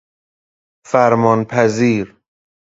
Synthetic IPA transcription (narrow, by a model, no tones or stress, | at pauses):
fæɾmɒːnpʰæziːɾ